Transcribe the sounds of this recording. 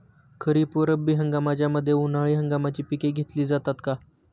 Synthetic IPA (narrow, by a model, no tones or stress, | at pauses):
kʰəɾiːpuɾəbiːɦəŋɡamat͡ɕjaməd̪ʱːjeunaɭiːɦəŋɡamat͡ɕiːpikeɡʱet̪liːd͡zat̪at̪ka